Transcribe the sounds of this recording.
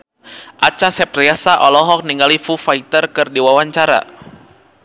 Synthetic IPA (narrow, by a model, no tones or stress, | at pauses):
ʔat͡ʃasɛp̚riasaʔɔlɔɦɔk̚niŋɡalifufait̪ərkɨrdiwawaɲt͡ʃaɾa̰